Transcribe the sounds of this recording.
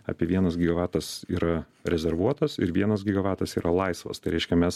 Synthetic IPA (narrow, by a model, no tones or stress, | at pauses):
ɑ̰pʲiɛʋʲiɛnɐsɡʲiːɡɐʋɑːt̪ɐsiːɾɐ | ɾʲɛzʲɛɾʋuɔt̪ɐsɪ̰ɾʋʲiɛnɐs̬ɡʲiːɡɐʋɑːt̪ɐsiːɾɐlˠɐɪsʋɐ̰st̪ɐɪɾʲɛɪʃʲkʲɛmʲɛs